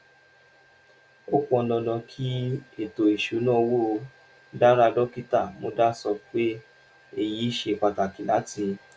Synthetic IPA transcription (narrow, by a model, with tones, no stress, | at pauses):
o˦kõ˧ɔ˧nɔ̃˧nã˧kʰi˦e˦˨to˨i˨ʃu˨˦nã˦˧wo˦˨˧ | da˦ɾa˧dɔ˦ki˦ta˦˨mõ˧˦da˦sɔ˧k͡pe˦ | e˦˨ji˨˦i˦ʃe˧˨k͡pa˨ta˨ki˨la˨˦ti˧